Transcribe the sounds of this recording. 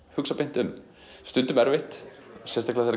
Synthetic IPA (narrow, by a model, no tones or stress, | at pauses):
hʏksapɪn̥t̪ʏm | st̪ʏnt̪ʏmɛɾvɪht̪sjɛst̪aklɛaθeɾa